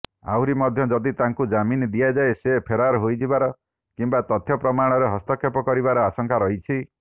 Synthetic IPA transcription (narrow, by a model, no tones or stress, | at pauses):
a̰wɾimɔd̪ʱjɔd͡ʒɔd̪it̪aŋkud͡ʒamind̪iad͡ʒaesepʰeɾaɾɔɦojd͡ʒibaɾɔ | kimbat̪ɔt̪ʰjɔpɾɔmaɽ̃ɔɾeɦɔst̪ɔkʰːepɔkɔɾibaɾɔasɔŋkʰaɾɔɦit͡ʃʰi